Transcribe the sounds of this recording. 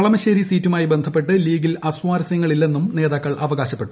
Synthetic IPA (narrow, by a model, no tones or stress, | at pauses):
ɐɭɐmɐɕɐɾisiːtːumaːjibe̞nd̪ʱɐpːe̞ʈːɨliːɡilʔɐswaːɾɐsjɐŋːɐɭilːe̞nːumne̞ːðaːkːɐɭʔɐʋɐɣaːɕɐpːe̞ːu̥